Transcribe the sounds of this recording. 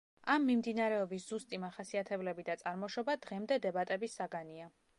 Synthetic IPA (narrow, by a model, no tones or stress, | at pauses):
amːimd̪inaɾɛɔbisz̥ust̪ʼimaχasiat̪ʰɛblɛbid̪at̪sʼaɾmɔʃɔbad̪̥ʁɛmd̪ɛd̪ɛbat̪ʼɛbisːaɡania